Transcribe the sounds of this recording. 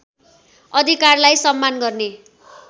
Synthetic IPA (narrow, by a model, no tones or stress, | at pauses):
ʌd̪ʱikarlajsʌmːanɡʌrne